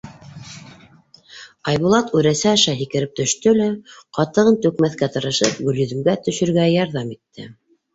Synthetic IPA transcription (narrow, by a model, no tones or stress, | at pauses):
ɑjβulˠɑt̪ʉɾæsæɑʃɑɦikɘ̆ɾɘp̚t̪ɵ̆ʃt̪ɵlæqɑt̪ɤ̆ʁɤnt̪ɵkmæθkæt̪ɤ̆ɾɤ̆ʃɤp̚ɡɵ̆ljɵ̆ðɘ̆mɡæt̪ɵ̆ʃɵ̆ɾɡæjɑɾðɑmit̪ːɘ̰